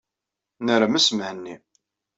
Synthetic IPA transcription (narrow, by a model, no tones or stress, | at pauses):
nəɾamæsəmʕənːi